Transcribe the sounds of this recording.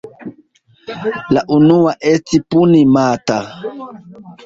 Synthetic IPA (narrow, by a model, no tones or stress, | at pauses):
laʔunuwaʔestipunimata